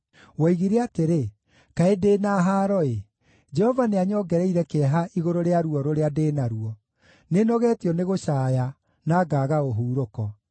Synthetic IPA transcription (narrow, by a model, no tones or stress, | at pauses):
wɔiɣiɾeateɾe | kaedeːnaːɦaːɾɔe | d͡ʒɛhɔvaneaɲɔːɡɛɾɛiɾɛkeɛɦaʔiɣoɾoɾeaɾuɔɾoɾeadeːnaɾuɔ | nenɔɣɛtiɔneɣoʃaːja | naːɡaːɣaoɦuːɾokɔ